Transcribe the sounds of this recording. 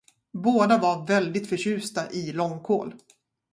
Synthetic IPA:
boːd̪avaɾvɛld̪ɪt̪fœɕʉ̟ːst̪aʔɪlɔŋːkʰo̰ːl

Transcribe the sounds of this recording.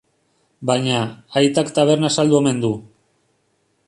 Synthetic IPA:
bajɲaːjt̪akt̪aβ̞e̞ɾnasald̪ue̞me̞nd̪u

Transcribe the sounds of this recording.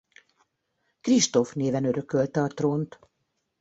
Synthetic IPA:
kriʃt̪o̞fneːvɛnøɾø̞kølt̪ɛɒt̪roːnt̪

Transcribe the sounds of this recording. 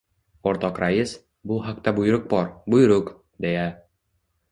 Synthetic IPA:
oɾt̪ɒqɾajɪs | bʊɦakt̪abʊjɾʊq̚bɒɾbʊjɾʊq | d̪eja

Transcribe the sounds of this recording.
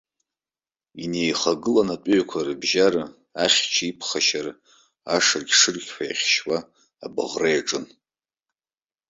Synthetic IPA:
inejχaɡɨlanatʷʼʊɥkʷʰarɨbʒaɾɨ | aχʲt͡ʃʰipʰχaʃar | aʂɨrɡʲʂɨrɡʲħʰajχʲʃwaː | bʼɨ̰ʁrejaʈ͡ʂʼɨn

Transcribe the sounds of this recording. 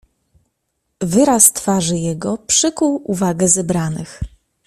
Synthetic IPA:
vɘɾast̪faʐɘjɛɡɔpʂɘkuwʔuvaɡɛzɛbɾanɘx

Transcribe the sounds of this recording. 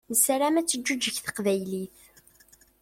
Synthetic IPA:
nəsɾæmæt͡sːəd͡ʒːud͡ʒːəçθə̥qvæjliθ

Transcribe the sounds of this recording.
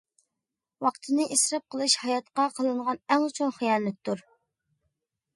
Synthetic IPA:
wɑqt̪ʰɨnɨʔisɾɑp̚qʰəlˠɨʃhɑjɑt̪qɑqʰəlˠɨɴʁɑnæŋut͡ʃʰunχijɑːnɛt̪̚t̪ʰːuɾ

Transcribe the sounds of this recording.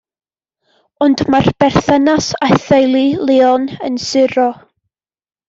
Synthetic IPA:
ɔndmarb̥ɛrθənasaθɛjlˠilˠeɔnənsɪɾɔ

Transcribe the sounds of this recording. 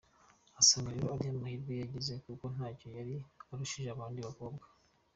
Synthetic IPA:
asaŋɡaɾiɾoaɾijamahiɾɡujaɟeze̞kuko̞n̥haːco̞jaɾiaɾuʃiʒeaβaːndiβako̞bɡḁ

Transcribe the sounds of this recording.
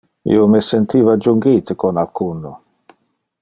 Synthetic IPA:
ḭomesent̪iːvad͡ʒuŋɡit̪ekonalkʰunːo

